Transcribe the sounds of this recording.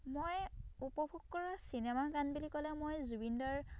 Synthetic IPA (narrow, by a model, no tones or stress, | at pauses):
mojupɔbʱuɡkɔɹasinɛmaɡanbulikɔlɛmojzubindɔɹ